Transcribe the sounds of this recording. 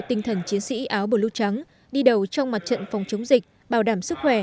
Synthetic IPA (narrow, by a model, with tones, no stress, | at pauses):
t̪ï˨˩ŋ̟t̪ʰə˨˩nt͡ɕi˨˦ənsḭ˧˥ʔaː˨˦wɓo˧˩lu˧˩t͡ɕa˨˦ŋ | ɗi˧ɗə˨˩wt͡ɕɔ˧wŋ͡mma˨˩t̚t͡ɕə̰˧˨nfɔ˨˩wŋ͡mt͡ɕə˨˦wŋ͡mzï˨˩k̟̚ | ɓaː˧˩wɗaː˧˩msɨ˦˥k̚xwɛ˧˩